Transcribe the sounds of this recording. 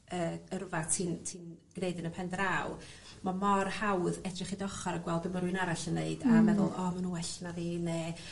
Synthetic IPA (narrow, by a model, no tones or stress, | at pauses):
əːəɾʊvatʰintʰiːnɡ̥neɨdɪnəpʰɛndɾaw | mamɔrhawðɛdrɪχidɔχɔɾəɡwɛlˠdəməɾwɨnaɾaɬənːeɨd̥amɛðʊlˠɔmanuːwɛɬnaðine